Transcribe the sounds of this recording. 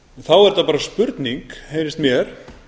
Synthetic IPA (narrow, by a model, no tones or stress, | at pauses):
nθawɛɾ̥t̪apaːɾaspʏɾt̪niŋkhejɾɪst̪mjɛɾ̥